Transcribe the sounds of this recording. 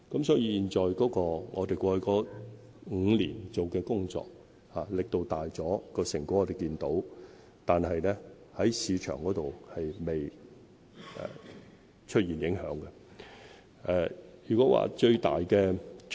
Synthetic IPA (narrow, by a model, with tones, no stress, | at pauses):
kɐ˨˥msɔː˨˥jiː˧jiː˨nt͡ʃɔː˨jkɔː˨˥kɔː˧ŋʔɔː˨˧t̪e˨jkʷɔː˧kɔː˨˥ | ŋ̩ː˨˧liː˨˩nt͡so˨wkɛː˧kʊ˥ŋt͡sɔ̰ː˨k̚ | haː˨lɪ˨k̚t̪o˧wt̪aː˨jt͡sɔː˨˥kɔː˧sɪ˨˩ŋku˧˥ŋɔ˨˧t̪e˨˩jkiː˧nt̪o˨˥w | t̪aː˨nɦɐ˨jnɛ˥ | hɐ˨˥jsiː˨˧t͡ʃʰœ̰ː˨˩ŋkɔː˨˥t̪o˨whɐ˨jme˨j | ʔɛ̰ː˨˩ | t͡ʃʰɵ˥t̚jiː˨˩njɪ˨˥ŋhœː˨˥ŋɡɛ˧ | ʔɛː˨˩jyː˨˩kɔː˨˥wa̰ː˨t͡ʃɵ˧ɥt̪a̰ː˨jkɛː˧